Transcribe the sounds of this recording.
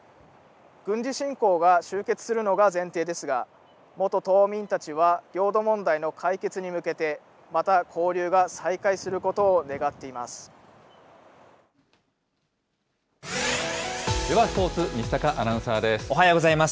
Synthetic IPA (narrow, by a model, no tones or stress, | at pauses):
ɡ̥ɯ̟̃ɲ̟d͡ʑiɕĩŋko̞ːɡaɕɨːke̞t͡sɨ̥sɨɾɯ̟no̞ɡazẽ̞nt̪e̞ːd̪e̞sɨɡa̰ | mo̞t̪o̞t̪o̞ːmʲĩnt̪at͡ɕiβaɡʲo̞ːd̪o̞mõ̞nd̪aino̞kʰaike̞t͡sɨɲ̟imɯ̟ke̞t̪e̞ | mat̪akʰo̞ːɾʲɯːɡasaikaisɨɾɯ̟ko̞t̪o̞ːne̞ɡat̪ːe̞imasɨ̥ | d̪eβaspo̞ːt͡sɨmʲist̪akaʔanãɰ̃saːd̪e̞sɨ̥oɦajoːɡozaimas